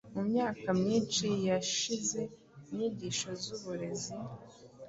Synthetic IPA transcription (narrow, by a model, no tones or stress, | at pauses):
mumɲaːkamɲiːnt͡ʃijaʃize̞ | imɲiːɟiːʃo̞zuβuɾe̞zi